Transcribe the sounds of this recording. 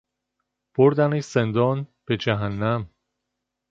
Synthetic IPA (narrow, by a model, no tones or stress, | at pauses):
b̥oɾd̪ænesend̪ɒːnb̥ed͡ʒæɦænːæm